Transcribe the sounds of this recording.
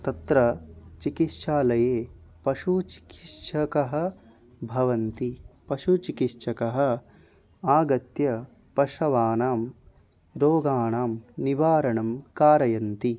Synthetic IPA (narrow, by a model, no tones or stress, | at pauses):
t̪ɐt̪ɾɐt͡ʃikit̪ʃaːlɐjeːpɐʂut͡ʃi̥kiʂʰɐkɐɦɐ̆ | bʱɐʋɐnt̪ipɐʃut͡ʃikitʂʰɐkɐɦɐ̆ | aːɡɐt̪jɐ | pɐʂɐʋaːnaːm | ɾoːɡaːɳaːmniʋaːɾɐɳɐmkaːɾɐjɐnt̪i